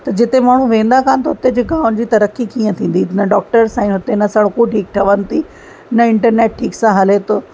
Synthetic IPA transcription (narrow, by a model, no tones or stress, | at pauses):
t̪ɐd͡ʑɪt̪emaːɳ̤ũʋẽːn̆d̪akʰaːnɪt̪oɦʊt̪ed͡ʑʊɡʱãːʊnd͡ʑiːt̪ɐɾəkikiːə̃t̪ʰĩːn̆d̪inɐɖɔːk̚ʈəɾsãĩɦʊt̪enɐsɐɽkuʈʰiːk̚ʈ̪ʰɐʋənɪ̆t̪ʰi | nɐɪ̃ɳʈəɾneːʈ̚ʈʰiːksãɦɐlet̪ʰoː